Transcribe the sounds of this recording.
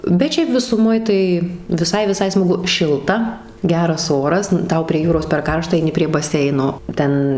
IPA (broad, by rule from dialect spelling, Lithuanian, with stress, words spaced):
bʲɛt ˈʃʲɛɪp ʋʲɪsʊˈmoːj tɐɪ ʋʲɪˈsɐɪ ʋʲɪˈsɐɪ smɐˈɡʊ ˈʃʲɪlˠtɐ ˈɡʲæːrɐs ˈoːrɐs nʊ ˈtɐʊ pʲrʲiɛ ˈjuːroːs pʲɛr ˈkɐrʃtɐ ɐɪˈnʲɪ pʲrʲiɛ bɐˈsʲɛɪnoː ˈtʲɛn